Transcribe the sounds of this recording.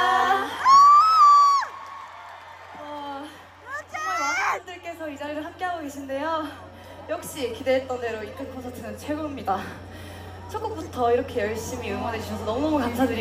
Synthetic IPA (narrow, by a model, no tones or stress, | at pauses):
ʌ | manaindɯɭk͈e̞sʰʌid͡ʑaɾiɾɯɭɦamk͈e̞ɦaɡoɡe̞ɕʰinde̞jo | jʌk̚ɕ͈ikide̞ɦet͈̚ʌnde̞ɾoit͈ɯnkʰosʰatʰɯnɯnt͡ɕʰwe̞ɡomɲida | t͡ɕʰʌk͈uk̚p͈utʰʌiɾʌkʰe̞jʌɭɕ͈imiɯŋwʌne̞d͡ʑuɕʰʌsʰʌnʌmunʌmukamsʰadɯɾi